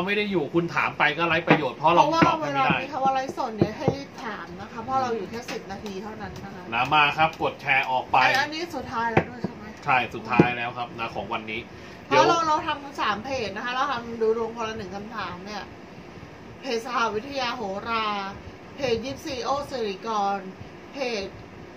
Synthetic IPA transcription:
a˧wma˥˩jda˥˩jːuː˨˩kʰu˧nt̪ʰaː˩˦mpa˧jkɔː˥˩ɾa˦˥jpɾa˧joː˨˩t̪̚pʰɔ˦˥ɾa˧waː˥˩a˧weː˧ɾaː˧a˥˩˧kʰa˦˥˩waː˥˩ɾa˦˧˥jso˨˩nni˥˩ɦa˥˩jjt̪ʰaː˨˩˦mna˦˥kʰa˦˥pʰːɔː˥˩ɾa˧wjuː˨˩t̪ʰɛː˥˩si˨˩p̚naː˧t̪ʰiː˧t̪ʰa˥˩wna˦˥nːa˦˥kʰa˦˥naː˦˥mːaː˧˩kʰa˦˥p̚ko˨˩t̪̚t͡ɕʰɛː˧ʔɔː˨˩k̚pa˧a˧ja˦˧nːiː˦˥su˨˩t̪ʰːaː˦˥jlɛː˦˥wdu˥˩əjt͡ɕʰa˥˩jma˦˥jt͡ɕʰa˥˩jsu˨˩tt̪ʰːaː˦˥jlɛː˦˥wkʰa˦˥p̚na˦˥˩kʰɔː˩˦ŋwa˧nːiː˦˥ | pʰɔː˦˥˩ɾa˧wɾa˧wt̪ʰa˧msaː˩˦mpʰeː˨˩t̪̚na˦˥kʰa˦˥ɾa˧wt̪ʰa˧mduː˧ɾu˧əŋkʰo˧la˧nɯ˨˩ŋkʰa˧mt̪ʰaː˩˦mni˥˩ɐ | pʰeː˨˩t̪̚sa˧ha˨˦wi˦˥t̪ʰːa˧jaː˧ɦoː˩˦ɾaː˧ | pʰeː˨˩t̪̚jiː˦˥˩p̚siː˧ʔoː˥˩si˨˩ɾiː˨˩kɔː˧n | pʰeː˨˩t̪̚

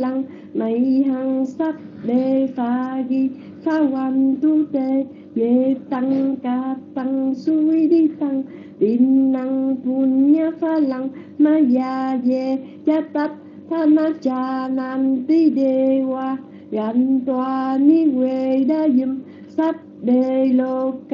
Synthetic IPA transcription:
la˧ŋ | na˨jɦa˧ŋsa˦p̚be˧fa˧ɡi˧ | fa˧˦wa˧nt̪u˦t̪e˧ | je˨˦t̪a˧ŋka˧t̪a˧ŋsu˦i˦di˦t̪a˧ŋ | ti˨nːa˧ŋpu˧nɲa˧˦fa˧la˧ŋ | ma˧ja˧je˧ | d͡ʒa˦t̪a˧˦t̪̚ | fa˦na˧t͡ʃa˧na˧nt̪i˦de˧wa˧ | ɡa˨nt̪ua˧ni˦we˧da˦jɨ˧m | sa˦p̚dəjlok

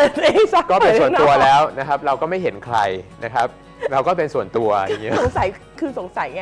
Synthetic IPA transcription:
ni˧˥a˥˩kɔː˥˩pe˧n˧su˨˩˦u˧ɐlɛː˦˥wna˦˥kʰa˦˥p̚ɾa˧wkɔː˥˩ma˥˩jɦe˩˦nkʰɾa˧jna˦˥kʰa˦˥p̚ | ɾa˧wkɔː˥˩pe˧nsu˨˩ənt̪u˧ɐa˨˧˩ŋi˦˥o˩˦ŋsa˨˩˦jkʰɯː˧so˨˩˦ŋsa˨˩˦jŋa˧

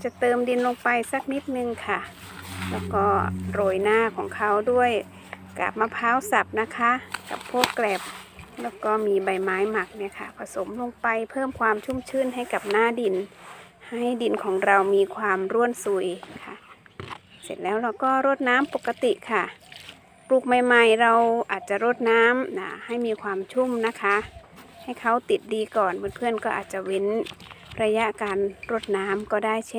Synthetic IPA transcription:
t͡ɕa˨˧˩t̪ɤː˧mdi˧nlo˧ŋpa˧jsa˧˩k̚ni˦˥t̪̚nɯ˧ŋkʰa˧˩ | lɛː˧˩wkɔː˧˩ɾoː˧˩jnaː˧˩˨kʰɔː˨˩˦ŋkʰa˧˩wdu˥˩əj | ka̰ː˨˩p̚ma˧pʰaː˧˥˨wsa˨˩p̚na˧˥kʰa˦˥ka̰˨˩pʰːoː˧˥˩klɛː˨˩p̚ | lɛː˧˩wkɔː˧˩miː˧ba˧˩jmaː˨˦jma˧˩k̚ni˧˥˨kʰa˧˩pʰa˧so˨˦mlo˧ŋpa˧jpʰɤː˥˨mkʰwaː˧mt͡ɕʰu˧˥˨mt͡ɕʰɯː˧˥˨nɦa˧˥˩jka˨˩p̚naː˧˥˩di˧n | ha˧˥˩jdi˧nkʰɔː˩˦ŋɾa˧wmiː˧kʰwaː˧mɾu˧˥˩ənsu˧˩jkʰa˧˩ | se˧˩nlɛː˦˥˩wla˧˩wkɔː˥˩ɾo˧˥˩t̪̚naː˦˥˨mpo˨˧˩kːa˧t̪i˨ʔkʰa˧˩ | pluː˧˩k̚ma˧jma˧jɾa˧wʔaː˨˩t̪̚t͡ɕa˨˧˨ɾo˧˥˩t̪̚naː˦˥mna˧˩ha˥˩jmiː˧kʰwaː˧mt͡ɕʰu˧˥˨mna˧˥kʰa˦˧˥ha˧˩jkʰa˧˩wt̪i˨˩t̪̚diː˧kɔː˨˩nbɯː˧˥˩npʰɯ˧˥˩ənkɔː˧˩ʔaː˨˩t̪̚t͡ɕa˨˧˩we˧˥nɾa˧ja˧˥ʔkaː˨nɾo˧˥˩t̪̚naː˦˥mkɔː˧˩daː˧˥˩jt͡ɕʰe˧˨

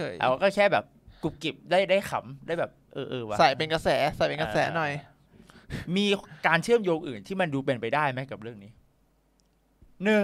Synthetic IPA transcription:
jʔːkɔː˥˩kʰɛː˥˩bɛː˨˩p̚ku˨˩p̚ki˨˩p̚daː˥˩jdaː˥˩jxʰa˩˦mdaː˥˩jbɛː˨˩p̚ʔɤː˧ʔɤː˧wa˧˦sa˨˩˦jpe˧nka˧sɛː˩˦˥sa˨˩jpe˧nka˧sɛː˩˦˥nɔ˨˩j | miː˧kaː˧nt͡ɕʰɯ˥˩əmjoː˧ŋʔɯː˨˩nt̪ʰiː˥˩ma˧nduː˧pe˧npa˧jdaː˥˩jma˦˥jka˨˩p̚ɾɯ˥˩əŋniː˦˥ | nɯ˧˩

